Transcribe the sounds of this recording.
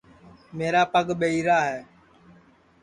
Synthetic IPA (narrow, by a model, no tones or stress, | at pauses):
meːɾaːpəɠɓeiːɾaːɦɛː